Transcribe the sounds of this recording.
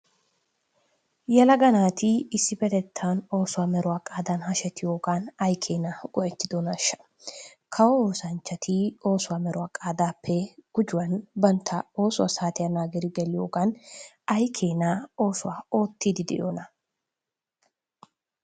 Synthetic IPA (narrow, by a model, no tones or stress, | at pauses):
jɛlɐɡɐnaːt̪ɪɪsːɪpɛt̪ɛt̪ʰːaːno̞ːsʊwaːmɛɾʊwaːkʼaːd̪anhɐʃɛt̪ːɪjoːɡaːnɐjkʰe̞ːnaɡʼɔʔɛt̪ːɪd̪onɐʃːɐ̥ | kʰɐwɔoːsɐnt͡ʃːɐt̪ʰɪo̞ːsʊwamɛɾʊwaːkʼaːd̪aːpːɛɡ̥ʊd͡ʒʊwɐnbɐnt̪ʰːɐo̞ːsʊwɐsaːt̪ɪjɐnaːɡɪɾɪɡɛlɪjoːɡaːn | ɐjkʰeːnao̞ːsʊwaːo̞ːt̪ːiːd̪ɪd̪ɛ̰jo̰ːnɐ